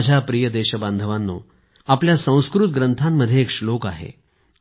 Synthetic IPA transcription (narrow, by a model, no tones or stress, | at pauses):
d͡ʑʱjapɾijəd̪eɕəbãnd̪ʱəʋanːo̰ | apljasə̃w̃skɾut̪̚ɡɾənt̪ʰamːəd̪ʱːjeːkʂlokaɦḛ